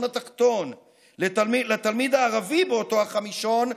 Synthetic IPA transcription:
nat̪aχt̪o̞n | let̪almilet̪almid̪aːʁavibeot̪o̞haχamiʃo̞n

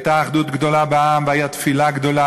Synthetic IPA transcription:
t̪aːχd̪ut̪ɡd̪olabeamvajat̪filaɡd̪ola

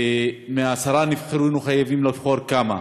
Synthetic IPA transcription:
meaːsaɾanifχeɾunuχajavimlofχoɾkama

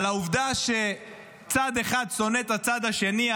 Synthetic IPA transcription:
lauvd̪aʃe̞ | t͡sad̪e̞χad̪so̞net̪at͡sad̪aʃe̞ni

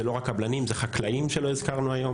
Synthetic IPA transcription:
elo̞ʁakablanimzeχaklaimʃe̞lo̞izkaʁnuajo̞

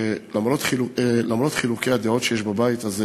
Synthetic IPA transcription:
lamʁot̪χiulamʁo̞t̪χilukejad̪eo̞t̪ʃejeʃbabait̪az

